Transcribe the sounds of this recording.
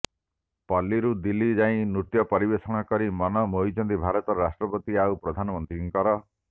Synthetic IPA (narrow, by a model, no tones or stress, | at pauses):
pɔlːiɾud̪ilːid͡ʒaĩnɾut̪jɔpɔɾibesɔŋakɔɾimɔnɔmoɦid͡ʒɔnd̪ibʱaɾɔt̪ɔɾɾasʈɾɔpɔt̪iaupɾɔd̪ʱanɔmɔnt̪ɾiŋkɔɾɔ